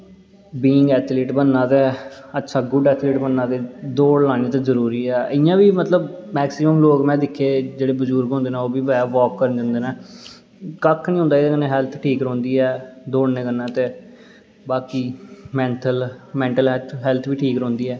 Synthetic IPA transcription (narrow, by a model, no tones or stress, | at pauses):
biːɪŋɡɛːt̪ʰliːʈbənːãːt̪eːətːʃʰaːɡʊɖɛːt̪ʰliːʈbənːãːt̪eːd̪oːɽlãːneːt̪ẽːzəɾuːɾiːɛːʔɪjãːʋiːmət̪ləbmɛːksɪməmloːkmɛ̃ːd̪ɪkʰːeːd͡ʒeːɽeːbəd͡ʒuːɾɡɦõnd̪eːnãːoːbiːʋɛːʋɔːkːəɾənd͡ʒə̃ːnd̪eːnɛ̃ː | kəkʰːnĩɦʊ̃nd̪aːeːkənẽɦɛːlt̪ʰʈʰiːkɾõːnd̪iːɛːd̪oːɽnẽːkəɾnãːt̪eː | baːkiːmɛ̃ːɳʈəlmɛ̃ːɳʈəlɦɛt̪ʰɦɛːlt̪ʰʋiːʈʰiːkɾõːnd̪iːɛː